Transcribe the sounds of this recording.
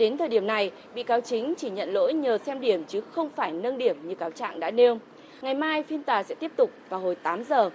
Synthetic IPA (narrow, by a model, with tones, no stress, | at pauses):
ɗe˨˦nt̪ʰəː˨˩jɗi˧˩əmna˨˩j | ɓḭ˧˨kaː˨˦wt͡ɕï˨˦ŋ̟t͡ɕi˧˩ɲə̰˧˨nlo̰˧˥jɲəː˨˩sɛ˧mɗi˧˩əmt͡ɕɨ˨˦xə˧wŋ͡mfaː˧˩jnə˧nɗi˧˩əmɲɨ˧kaː˨˦wt͡ɕa̰ː˧˨ŋɗa̰ː˧˥ne˧əwŋ͡m | ŋa˨˩jmaː˧jfi˧ənt̪aː˨˩sɛ̰˧˥t̪i˦˥əp̚t̪ʊ˨˩k͡p̚vaː˨˩wɦo˨˩jt̪aː˨˦mzəː˨˩